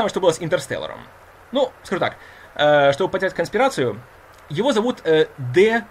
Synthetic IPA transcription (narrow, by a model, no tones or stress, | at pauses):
məʂt̪obɨlˠəsɪnt̪ʲərst̪ɛ̰lʲˠə̰ɾə̰m | nuskɐʐut̪a̰k | əʂt̪o̞bəpədʲɪɾʲætʲkənsʲpʲɪɾat̪sɨjʊ | jɪvo̞zɐvut̪əd̪ɛ